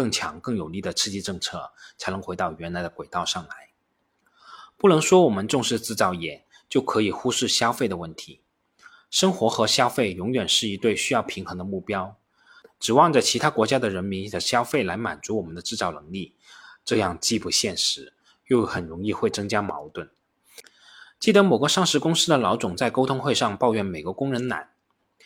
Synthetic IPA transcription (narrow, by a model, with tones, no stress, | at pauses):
kɤ˥˩ŋt͡ɕʰjɑ̰˧˥ŋkɤ˥˩ŋjo˨˩ʊli˥˩d̪ə˩t͡sʰɹ̩˥˧t͡ɕi˥˧ʈ͡ʂɤ˥˧ŋt͡sʰɤ˥˩t͡sʰa˧˥ɪnɤ˧˥ŋxe˧˥ɪt̪ɑ˥˩ʊɥɛ˧˥nla˧˥ɪd̪ə˧kwe˨˩ɪt̪ɑ˥˧ʊʂɑ˥˩ŋla˧˥ɪ | pu˥˩nɤ˧˥ŋʂwɔ˥wɔ˨˩mə˧˦nʈ͡ʂʊ˥˧ŋʂɻ̩˥˩t͡sɹ̩˥˩t͡sɑ˥˩ʊjɛ˨˩˦n | t͡ɕjo˥˩ʊkʰɤ˧˥i˨˩xu˥ʂɻ̩˥˩ɕjɑ˥ʊfe˥˩ɪd̪ə˩wə˥˩nt̪ʰi˧˥ | ʂɤ˥ŋxwɔ˧˥xɤ˧˥ɕjɑ˥ʊfe˥˩ɪjʊ˧˥ŋɥɛ˨˩nʂɻ̩˥˩i˧˥t̪we˥˩ɪɕy˥jɑ˥˩ʊpʰi˧˥ŋxɤ˧˥ŋd̪ə˧mu˥˩pjɑ˥ʊ | ʈ͡ʂɻ̩˨˩wɑ˥˩ŋʈ͡ʂə˩t͡ɕʰi˧˥t̪ʰa˥kwɔ˧˥t͡ɕja˥d̪ə˨ɻə˧˥nmi˧˥nd̪ə˧ɕjɑ˥ʊfe˥˩ɪla˧˥ɪma̰˨˩nt͡su˧˥wɔ˨˩mə˦nd̪ə˧ʈ͡ʂɻ̩˥˧t͡sɑ˥˩ʊnɤ˧˥ŋli˥˩ | ʈ͡ʂɤ˥˧jɑ˥˧ŋt͡ɕi˥˧pu˥˩ɕjɛ˥˩nʂɻ̩˧˥ | jo˥˩ʊxə˨˩nɻʊ˧˥ŋi˥˧xwe˥˩ɪt͡sɤ˥ŋt͡ɕja˥mɑ̰˧˥ʊt̪wə˥˩n | t͡ɕi˥˩ə˧˥mo˨˩ɡə˧˥ʂɑ˥˩ŋʂɻ̩˧˥kʊ˥ŋsɹ̩˥d̪ə˨lɑ˧˥ʊt͡sʊ˨˩ŋt͡sa˥˩ɪko˥ʊt̪ʰʊ˥ŋxwe˥˧ɪʂɑ˥˧ŋpɑ˥˧ʊɥɛ˥˩nme˨˩ɪɡə˧˥kʊ˥ŋɻə˧˥nna̰˨˩˦n